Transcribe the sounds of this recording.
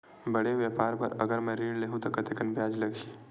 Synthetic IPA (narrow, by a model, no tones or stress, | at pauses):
bəɽeʋjəpaːɾpəɾə̰ɡəɾmẽɾiːɽleːɦũt̪okɐt̪ekɐnbjaːd͡ʒlɐɡi